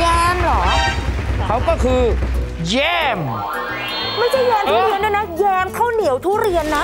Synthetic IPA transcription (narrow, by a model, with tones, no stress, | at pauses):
jɛː˧mlɔː˩˦ | kʰa˦˥wkɔː˥˩kʰɯː˧ | jɛː˥˩m | ma˥˩jt͡ɕʰa˥˩jjɛː˧mt̪ʰuː˦˥˩ɾi˧nda˥˩jna˦˥jɛː˧mk̪ʰaː˥˩wni˩˦wt̪ʰuː˥˩ɾi˧ənːa˦˥